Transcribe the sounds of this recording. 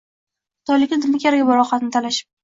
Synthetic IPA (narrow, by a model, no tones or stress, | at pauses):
χʊ̥t̪ʰɒjlɪkʲnɪd̪ɪmakʲaɾaɡʲɪbɪɾɒχɑt̪nɪt̪ʰalaʃɪ̥p̚